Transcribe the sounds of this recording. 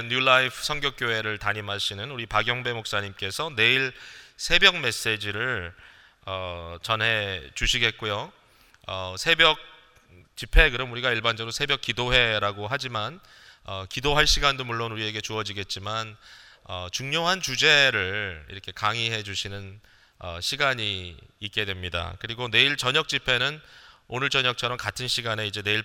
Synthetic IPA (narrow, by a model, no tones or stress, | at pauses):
nɲjulaipʰɯ̥sʰʌŋɡjʌk͈̚joɦe̞ɾɯɭtaɲimaɕʰinɯnuɾipaɡjʌŋbe̞mok̚s͈aɲimk͈e̞sʰʌne̞iɭsʰe̞bjʌŋme̞s͈e̞d͡ʑiɾɯɭ | ʌt͡ɕʌnɦe̞t͡ɕuɕʰiɡe̞t̚k͈ojo | ʌsʰe̞bjʌk̚ | t͡ɕipʰe̞kɯɾʌmuɾiɡaiɭband͡ʑʌɡɾosʰebjʌk͈idoɦe̞ɾaɡoɦad͡ʑiman | ʌkidoɦaɭɕ͈ʰiɡandomuɭːonuɾie̞ɡe̞t͡ɕuʌd͡ʑiɡe̞t̚t͡ɕ͈imanʌt͡ɕuŋɲoɦant͡ɕud͡ʑe̞ɾɯɭḭɾʌkʰe̞kaŋiɦe̞d͡ʑuɕʰinɯn | ʌ̰ɕʰiɡaɲiːk̚k͈e̞dwe̞mɲida̰kɯɾiɡone̞iɭt͡ɕʌɲʌk̚t͡ɕ͈ipʰe̞nɯnonɯɭt͡ɕʌɲʌk̚t͡ɕʰʌɾʌmkatʰɯnɕʰiɡane̞id͡ʑe̞ne̞iɭ